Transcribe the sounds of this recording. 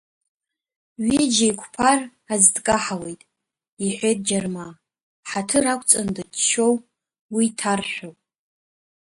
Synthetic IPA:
ɥid͡ʒajkʷʰʼpʰar | azdkʼaħawe̞jtʼ | iħʷejt̚ʼd͡ʒarma | ħatʰɨɾakʷʰʼt͡sʼandɨdʃo̞w | witʰarħʷᶣow

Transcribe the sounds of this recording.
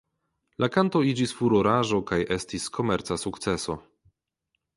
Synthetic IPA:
lʔakanto̞id͡ʒisfuɾoɾaʒo̞kajestiskʰo̞meɾt͡sasuktseso̞

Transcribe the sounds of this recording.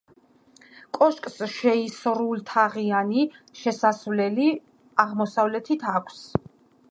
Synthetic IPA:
kʼɔʃkʼsʃɛisɾult̪ʰaʁianiʃɛsasvlɛli | aʁmɔsavlɛt̪ʰit̪ʰakʷʰs

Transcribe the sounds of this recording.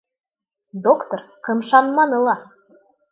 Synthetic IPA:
d̪okt̪orqʰɤmʃɑnmɑnɤ̆lˠɑ

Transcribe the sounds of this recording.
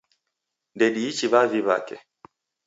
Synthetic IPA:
ndɛɗiːt͡ʃiβaviβa̰kɛ

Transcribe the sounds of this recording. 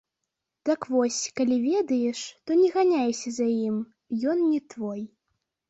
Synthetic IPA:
d̪̥ɐkvɔsʲkalʲivʲɛd̪ɐjɛʂt̪ɔnʲɛɣanʲajɛsʲɐzajim | jɔnnʲɛt̪vɔj

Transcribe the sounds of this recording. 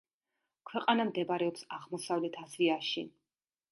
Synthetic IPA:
kʰwɛqʼanamd̪ɛbaɾɛɔpsaʁmɔsavlɛt̪ʰazviaʃi

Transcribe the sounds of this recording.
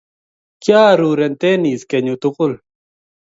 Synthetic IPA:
kjaːɾuːɾent̪eniːskeɲut̪ʊqʊl

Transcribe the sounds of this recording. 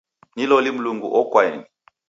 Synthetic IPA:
nilɔlim̩luŋɡṵʔɔkwaeni

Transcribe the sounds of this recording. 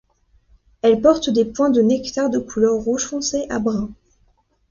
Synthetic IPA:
ɛlpɔʁt̪d̪epwɛ̃d̪ənɛkt̪aʁd̪əkulœʁːuʒfɔ̃seʔabʁɛ̃

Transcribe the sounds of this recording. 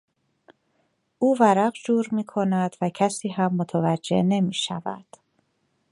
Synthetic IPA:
ʔuːvæɾæɢd͡ʒuːɾmiːkʰo̞næd̪̥væcʰæsiːɦæmːot̪ʰævæd͡ʒːe̞̰ne̞miːʃævæ̰d̪̥

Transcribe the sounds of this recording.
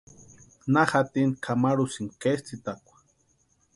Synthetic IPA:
naxat̪inkʰamaɾusiŋkest͡sit̪akʷḁ

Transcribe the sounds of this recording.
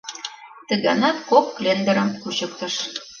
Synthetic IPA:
t̪ə̆ɣɑ̰nɑt̪kopklend̪ə̆ɾə̆mkut͡ɕɤ̆k̚t̪ɤ̆ʃ

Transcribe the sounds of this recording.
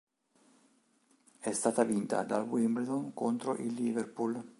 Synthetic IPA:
ɛst̪aːt̪avint̪a̰d̪alwimbeɾd̪onkont̪ɾoʔilːiverpul

